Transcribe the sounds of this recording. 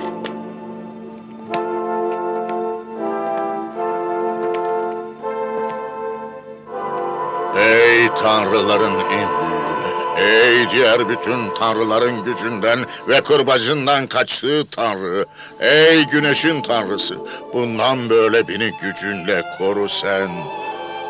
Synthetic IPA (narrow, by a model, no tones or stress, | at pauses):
ejt̪ʰanɾɯlˠaɾɯninbyy̰nɛɛjd̪ijæɾbyt̪ʰynt̪ʰanɾɯlˠaɾɯnɟyd͡ʒynd̪æn | vɛkʰoɾbad͡ʒɯnd̪ankʰat͡ʃt̪ʰɯːt̪ʰanɾɯ | ɛjɟyneʃint̪ʰanɾɯsɯ̰bund̪anbø̞jlʲɛbeniɟyd͡ʒynlʲɛkʰoɾusæn